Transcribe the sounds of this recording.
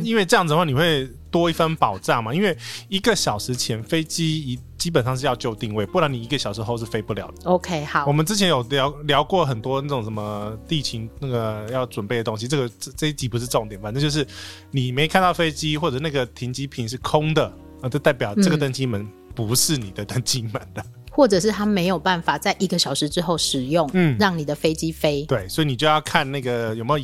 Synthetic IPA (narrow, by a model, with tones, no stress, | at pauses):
i˥nwe˥˧ʈ͡ʂɤ˥˧jŋd͡z̩˨˩ə˧wɑ˥˩ni˨˩xwe˥˩ɪ | t̪wɔ˥i˥˩fə˥npɑ˨˩ʊʈ͡ʂa˥˩ŋma˨˩i˦˥nwe˥˩ɪi˧˥ɡə˨ɕjɑ˨˩ʊʂɻ̩˧˥t͡ɕʰjɛ˧˥nfe˥ɪt͡ɕi˥i˨˩ | t͡ɕi˥pə˨˩nʂɑ˥˧ŋʂ̬̩˥˧jɑ˥˧ʊt͡ɕjo˥˧ʊt̪i˥˧ŋwe˥˩ɪpu˥˩˨ja˧˥ni˨˩i˧˥ɡə˧˩ɕjɑ˨˩ʊʂ̬ɻ̩˧˥xo˥˧ʊʂɻ̩˥˩fe˥ɪpu˥˩ljɑ˧˦ʊd̪̥ə˩o˧kʰe˥˨˩wɔ˨˩mə˨˦nʈ͡ʂɻ̩˥t͡ɕʰɛ˧˥njo˨˩ʊljɑ˧˥ʊljɑ˧˥ʊkwɔ˥˨xə˨˩nt̪wɔ˥na˥˩ʈ͡ʂʊ˨˩ŋʂə˧˥mə˧t̪i˥˩t͡ɕʰi˧˥ŋna˥˩ɡə˩jɑ˥˩ʊʈ͡ʂwə˨˩npe˥˩ɪə˩t̪o˥ŋɕi˦ʈ͡ʂɤ˥˩ɡə˩˥˧ʈ͡ʂə˥˧i˥t͡ɕi˧˥˩pu˧˥ʂɻ̩˥˧ʈ͡ʂɤ˥˩˨ŋt̪jɛ˨˦fa˨˩nə˧˥t͡ɕjʂɻ̩˥˩ | ni˨˩me˧˥ɪkʰa˥˧nt̪ɑ˥˩ʊfe˥ɪt͡ɕi˥xwɔ˥˩ʈ͡ʂɤ˨˩na˥˩ɡə˩t̪ʰi˧˥nt͡ɕi˥pʰi˧˨˦nʂɻ̩˥˩kʰʊ˥ŋd̪ə˨ | ə˧˩ʈ͡ʂə˥˧t̪a˥˩ɪp̬jɑ˨˩ʊʈ͡ʂɤ˥˩ɡə˩t̪ə˥ŋt͡ɕi˥mə˧˦n | pu˧˥ʂɻ̩˥˩ni˨˩d̪ə˦t̪ə˥ŋt͡ɕi˥ma˨˩˦nd̪ə˦ | xwɔ˥˩ʈ͡ʂɤ˨˩ʂ̬ɻ̩˥˩t̪ʰa˥me˧˥ɪjo˨˩ʊpa˥˩nfa˨˩t͡sa˥˩ɪʔi˧˥ɡə˧ɕjɑ˨˩ʊʂɻ̩˧˥ʈ͡ʂɻ̩˥xo˥˩ʊʂɻ̩˨˩jʊ˥˩ŋn̩˥˩ɻɑ˥˩ŋni˨˩d̪ə˦fe˥ɪt͡ɕi˦˥fe˥ɪt̪we˥˩ɪswɔ˧˥i˨˧ni˨˩t͡ɕjo˥˧ʊjɑ˥˧ʊkʰa˥˧nna˥˩ɡə˩jo˨˩ʊme˧˥jo˨˧˨